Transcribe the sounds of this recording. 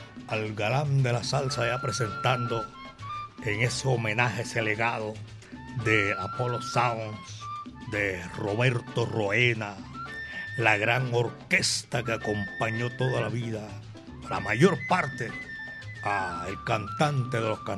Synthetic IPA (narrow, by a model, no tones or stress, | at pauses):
alɡaland̪e̞lasalsajapɾe̞se̞nt̪and̪o̞ | eŋe̞seomẽ̞nahe̞se̞le̞ɣaðo | ðe̞apo̞lo̞saoŋsd̪e̞ro̞βe̞ɾt̪o̞ro̞ena | laɣɾaŋo̞ɾke̞st̪akeako̞mpaɲo̞t̪o̞ðalaβiða | la̰maʝo̞ɾpaɾt̪e̞ | aelkant̪ant̪eðe̞lo̞skan